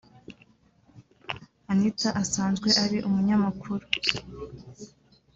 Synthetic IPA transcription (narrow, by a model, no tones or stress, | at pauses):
anitaʔasaːnzɡwe̞ʔaɾiʔumuɲamakʰuɾu